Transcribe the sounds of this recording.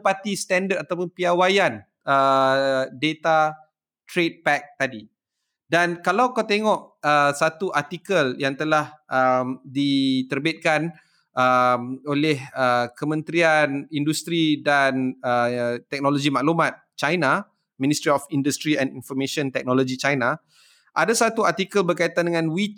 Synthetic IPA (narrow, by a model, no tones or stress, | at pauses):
pat̪ist̪ɛndərtat̪awpʊnpiawajan | ə | det̪a | t̪ɾet̪̚pɛk̚t̪adi | dankalawkawt̪eŋɔʔəsat̪uʔart̪ikəljaŋt̪əlahʔəmdit̪ərbɪt̪̚kan | ʔəmolɛhəkəmə̃nt̪ɾianindust̪ɾidanət̪ɛk̚nolod͡ʒimaʔlumãt̪̚t͡ʃajna | mĩnist̪ɾiɔfindust̪ɾiɛ̃ninfɔmẽʃɔ̃nt̪ɛk̚nolod͡ʒit͡ʃajna | ʔadasat̪uart̪ikəlbərkait̪andəŋãnwit͡ʃ